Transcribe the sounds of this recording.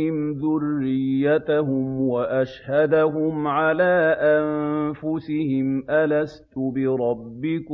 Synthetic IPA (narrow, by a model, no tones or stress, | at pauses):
ɪmðʊrːɪjːat̪aɦʊmwaʔaʃhad̪aɦʊmʕalaːʔanfʊsɪhɪmʔalast̪ʊbɪɾˤɑbːɪk